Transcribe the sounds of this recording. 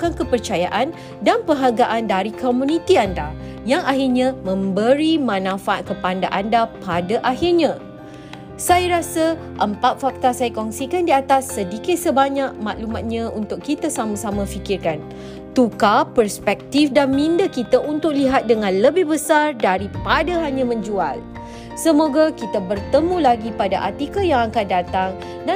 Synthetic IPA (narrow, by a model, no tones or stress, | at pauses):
ukankəpərt͡ʃajaʔan | danpəɦaɡaʔandaɾikʰomũnĩt̪ianda | jaŋaɦirɲãmə̃mbəɾimãnãfaaʔ̚kəpandaʔandapadaʔaɦirɲã | sajaɾasə | ʔəmpat̪̚fak̚t̪asajakɔŋsikandiat̪asːədikɪt̪̚səbaɲaʔ̚maʔlumat̪̚ɲãunt̪ʊkkit̪əsamãsamãfikɪrkan | t̪ukapərspɛk̚t̪ifdanmĩndakit̪aʔunt̪ʊk̚liɦat̪̚dəŋãnləbɪhbəsardaɾipadaɦaɲãmə̃ɲd͡ʒual | səmoɡakit̪əbərt̪əmũlaɡipadaʔa̰t̪ikəjaŋakan̚dat̪aŋ | da